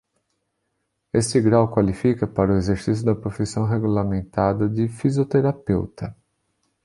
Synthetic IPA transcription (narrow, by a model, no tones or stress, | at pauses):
est͡ʃɪɡɾawkwalifikɐpaɾʊezeɾsis̬jʊd̪ɐpɾofisɐ̃w̃ɦeɡulamẽnt̪ad̪ɐd͡ʒɪfizjot̪eɾapewt̪ɐ